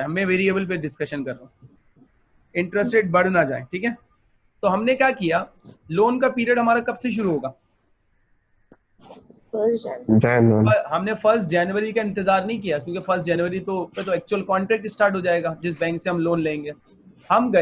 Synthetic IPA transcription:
ɦɐmːẽʋeːɾiebəlp̬eɖɪskɐʃənkɐɾːõː | ɪ̃ɳʈɾɛsʈeːʈ̚bɐɽ̤nad͡ʒa̰ːḛ̃ʈʰiːkɦɛː | t̪oɦɐmnekjaːkijaːloːnkapiːɾiəɖɦɐmaːɾakɐbseʃ̬ʊɾuɦoːɡaː | dɛːnoɐɦɐmnefɐɾsʈ̚d͡ʒɛːnʋəɾikaɪ̃nt̪ɪzaːɾnɐɦĩk̬ijakjõːkefɐɾsʈ̚d͡ʒɛːnʋəɾit̪opet̪oɛːk̚t͡ʃuwəlkɔ̃ːɳʈɾɛːk̚ʈisʈaːɾʈɦod͡ʒaːeːɡaːd͡ʒɪs̬bɛ̃ːŋkseɦɐmloːnlẽːŋɡeː | hɐmɡɐ

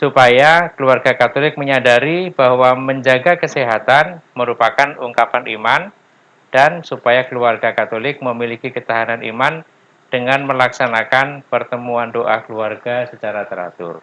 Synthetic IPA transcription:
supajakəluarɡakat̪olɪk̚məɲadaɾibahwaməɲd͡ʒaɡakəsiɦat̪anməɾupakanuŋkapanʔiman | dansupajakəluarɡakat̪olɪk̚məmilikikət̪aɦananḭman | d̥əŋanməlaksanakanpərt̪əmuandoʔakəluarɡasət͡ʃaɾat̪əɾa̰t̪ʊ̰r

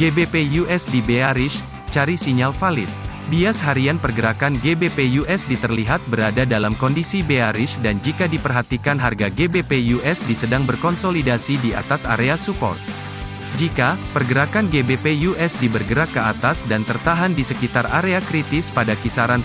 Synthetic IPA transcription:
ɡebepejuʔɛsdibeaɾɪʃ | t͡ʃaɾisiɲalfalɪt̪̚ | biasɦaɾianpərɡəɾakanɡebepejuʔɛsdit̪ərliɦat̪̚bəɾadadalamkɔndisibeaɾɪʃdand͡ʒikadipərɦat̪ikanɦarɡaɡebepejuʔɛsdisədaŋbərkɔnsolidasidia̰t̪asa̰ɾeasupɔ̰rt̪̚ | d͡ʒikapərɡəɾakanɡebepejuʔɛsdibərɡəɾakːəat̪asdant̪ərt̪aɦandisəkit̪arʔaɾeakɾit̪ɪspadakisaɾan

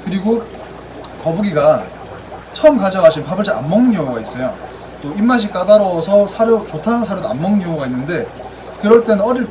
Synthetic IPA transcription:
kɯɾiɡo | kʌbuɡiɡa | t͡ɕʰʌɯmkad͡ʑʌɡaɕʰinpabɯɭsʰea̰nmʌŋnɯnjʌŋuɡais͈ʌjo | t͈oimːaɕ̬ʰik͈adaɾʌsʰʌsʰaɾjot͡ɕotʰanɯnsʰaɾjodoa̰nmːʌŋnɯnjʌŋuɡainːɯnde̞ | kɯɾʌɭt͈e̞nɯnʌɾiɭ

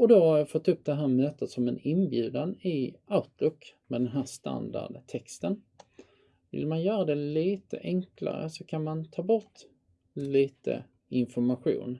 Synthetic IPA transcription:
ɔd̪ɔfɔt̪ʰːɵp̚ːd̪ɛɦæːɾmøːt̪ət̪sɔmɛnɪnbjʉ̟ːd̪anɪaʊt̪ʰlʊkːmɛd̪ɛnɦæːʂt̪a̰nd̪a̰ɖt̪ʰɛkst̪ən | vɪ̰lmanjœːɾad̪ɛliːt̪ə̰ʔɛŋkla̰ɾə̰sɔkʰanmant̪ʰɑːbɔʈ̪ | liːt̪ə̰ | ɪnfɔɾmaɧṵːn

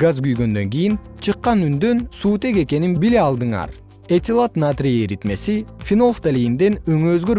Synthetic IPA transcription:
ɡazɡyjɡø̞nd̪ø̞ŋɡijin | t͡ʃʰɯqːɑnynd̪ø̞nsuːt̪e̞ke̞ke̞ninbileɑlˠd̪ɯɴɑ̰ɾ | et̪ʲilˠat̪nat̪rʲijɾit̪me̞sifʲino̞lˠft̪alʲijind̪e̞nøŋøːzɡø̞ɾ

